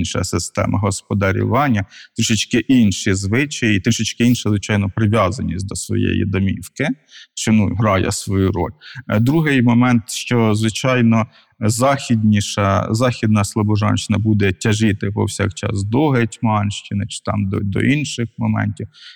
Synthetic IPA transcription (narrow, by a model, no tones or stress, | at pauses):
nʃɐ̰sɪst̪ɛ̰mʔɐɦɔspɔd̪ɐɾʲḭʋɑnʲːɐt̪ɾɪʃɪt͡ʃkɪʔinʃizʋɪt͡ʃɐjit̪ʃɪt͡ʃkɪinʃɐzʋɪt͡ʃɑjnɔpɾɪʋʲjɑzɐnʲisʲt̚ʲd̪ɔsʋɔ̰jḛjḭd̪ɔmʲiwkɪʃt͡ʃɔnuɦɾɑjɛ̰sʋɔjuɾɔ̰lʲd̪ɾuɦɪjmɔmɛnt̪ʃt͡ʃɔzʋɪt͡ʃɑjnɔ | zɑxʲid̪ʲnʲiʃɐzɑxʲid̪nɐslˠɔbɔʒɑ̰nʃɪnɐbud̪ɛtʲɐʒɪt̪ɪpɔ̰wsʲɑ̰kt͡ʃɑ̰sd̪ɔɦetʲmɑnʃt͡ʃɪnɪt͡ʃɪ̥t̪ɑmd̪d̪ɔ̰ʔinʃɪxmɔmɛ̰nʲtʲiw